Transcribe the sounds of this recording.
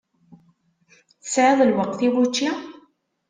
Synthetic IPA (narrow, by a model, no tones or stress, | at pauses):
θə̥sʕeðˤəlwɑq̚θibut͡ʃːa